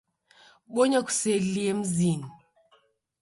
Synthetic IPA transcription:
ɓɔɲaku̥sɛliɛm̩zini

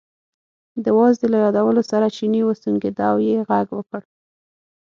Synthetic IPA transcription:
d̪əwɑzd̪əlajɑd̪awəlosaɾat͡ʃiniwast̪uŋɡed̪ɑwjeɣaɡwəkəɽ

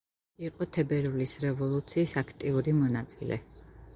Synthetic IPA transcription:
iqʼɔt̪ʰɛbɛɾulisɾɛvɔlˠut̪sʰiːsakʰt̪ʼiuɾimɔnat̪sʼḭlɛ̰

